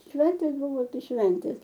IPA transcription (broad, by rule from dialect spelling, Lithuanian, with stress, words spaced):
ˈʃʲʋʲɛnʲtʲeːs ˈbuːʋoː ˈtɐɪ ˈʃʲʋʲɛnʲtʲeːs